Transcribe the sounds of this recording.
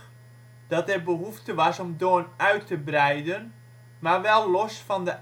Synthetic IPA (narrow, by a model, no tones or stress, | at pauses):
d̥ɑtɛrbəɦuftəʋɑsɔmdoənœɥtʰəbrɛjdən | maɹʋɛlˠːɔsfɔndə